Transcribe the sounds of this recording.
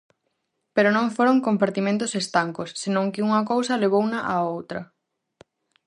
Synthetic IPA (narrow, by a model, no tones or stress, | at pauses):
peɾonõŋfoɾoŋkompaɾt̪imẽnt̪ʊsest̪aŋkosːenõŋkɪuŋɐkowsɐleβ̞ownɐʔaowt̪ɾɐ